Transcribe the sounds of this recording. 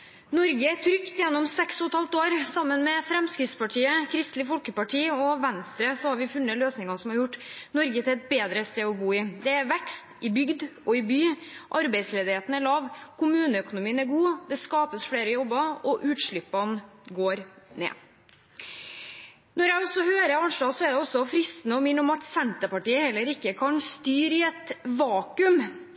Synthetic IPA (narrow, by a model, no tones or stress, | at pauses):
nɔɾɡət̪ʰɾʏkt̪jɛnːɔmsɛksɔt̪hɑlt̪oːɾsɑmːənmɛfɾɛmskɾɪt̪spɑʈʰiːəkʰɾɪst̪lɪfɔlkəpɑʈʰiːɔʋɛnst̪ɾəsɔhɑɾʋɪfʉnːəløːsnɪŋɑsɔmhɑɾjʊʈːnɔɾɡət̪ʰɪlɛt̪̚beːd̪ɾəst̪eːɔbuːɪd̪ɛæɾʋɛkst̪ɪbʏɡd̪ʔɔɪbyːʔɑɾbæɪsleːd̪ɪheːt̪ən̩æɭɑːʋkʰʊmʉːnəœkʊnʊmiːənæɾɡuːd̪ɛskɑːpəsfɽeːɾəjɔbːəɔʔʉːt̪ʂɭʏpːɑnɡoːɾnḛː | nɔɾjæɡɔsːɔhøːɾəɑnʂɭɑːsɔæɖɛɔsːɔfɾɪst̪ənəɔmɪɳʊmɑt̪sɛnt̪əpɑʈiːəhɛlːəɾɪkːəkʰɑnst̪yːɾɪɛt̪ʋɑːkʉm